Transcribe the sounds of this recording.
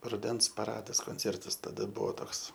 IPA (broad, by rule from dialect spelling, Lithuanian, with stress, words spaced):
rʊˈdʲɛns pɐˈrɑːdɐs koːnʲˈt͡sʲeːrtɐs tɐˈdɐ ˈbuɔ ˈtoːks